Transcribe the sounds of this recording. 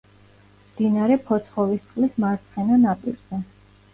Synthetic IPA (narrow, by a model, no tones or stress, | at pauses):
md̪̥inaɾɛpʰɔt̪sʰχɔvist̪sqʼlismaɾt̪sʰχɛnanapʼḭɾzɛ